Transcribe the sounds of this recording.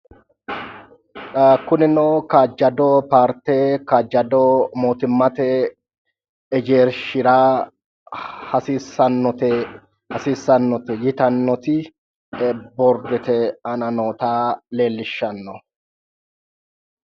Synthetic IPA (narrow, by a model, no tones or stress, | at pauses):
kʊnɪnoːkaːd͡ʒɐd̪ɔpaːɾt̪eːkaːd͡ʒːɐd̪ɔmoːt̪ɪmːɐt̪ɛ | ɛd͡ʒe̞ːɾʃɪɾaː | hɐsiːsɐnːɔt̪ɛ | hɐsiːsːɐnːɔt̪ɛjɪt̪ɐnːɔt̪ɪ | bɔɾd̪ɛt̪ɛɐnɐno̞ːt̪aːle̞ːlːɪʃːɐnːɔ